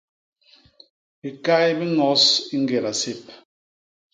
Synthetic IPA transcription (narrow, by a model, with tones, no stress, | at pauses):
bi˨ka˦jbi˦ŋɔ˨˦si˦ŋ˦ɡe˨ɾa˨se˦˨p̚